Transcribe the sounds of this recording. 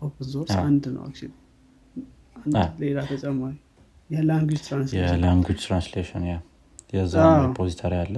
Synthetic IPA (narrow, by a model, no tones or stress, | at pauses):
okənzoɾsand̪nə̰wa̰kt͡ʃɪn | anlelat̪ʰət͡ʃʼɛmːaɾi | jɛlaŋɡwid͡ʒt̪ʰɾansjeɛlaŋɡwid͡ʒt̪ʰɾansleʃənja | jɛzaapʰozit̪ʰoɾijalːə